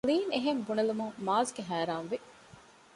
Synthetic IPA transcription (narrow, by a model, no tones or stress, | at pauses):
liːneɦembunɐlumuŋmaːzɡeɦæːɾaːnʋi